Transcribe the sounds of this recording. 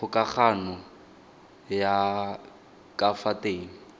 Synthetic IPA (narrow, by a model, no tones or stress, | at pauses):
ʊkʼak͡xʰanʊ | ja | kʼafatʼeːŋ̩